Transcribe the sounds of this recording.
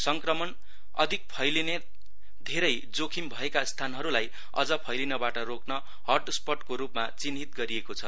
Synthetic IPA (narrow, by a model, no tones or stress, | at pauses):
sʌŋkrʌmʌn | ʌ̰d̪ʱik̚pʰʌjline | d̪ʱeɾʌj | d͡zokʰimbʱʌekast̪ʰanɦʌɾulaj | ʌ̰d͡zʌpʰʌjlinʌbaʈʌɾoknʌ | hʌrʈspʌʈkoɾupmat͡sinɦit̪̚ɡʌɾiekot͡sʰʌ